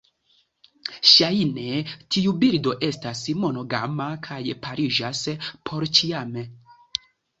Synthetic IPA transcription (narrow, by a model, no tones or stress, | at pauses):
ʃajne̞tʰiubiɾdo̞ʔe̞stasmo̞no̞ɡa̰makʰajpʰaɾid͡ʒaspʰo̞ɾt͡ʃiame